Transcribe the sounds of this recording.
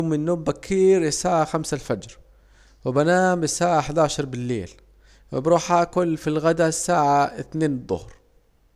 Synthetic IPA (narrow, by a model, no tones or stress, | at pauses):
ʊmːɪnːoːbakʰːiːɾjɪsaːʕaxamsalfad͡ʒɾ | wɪbanaːmɪsaːʕaħd̪aʕʃɑɾˤbɪlːḛːl | wɪbɾˤuːħʔakʊlfilɣad̪asːaːʕaɪθneːnd̪ˤːʊ̰hɾ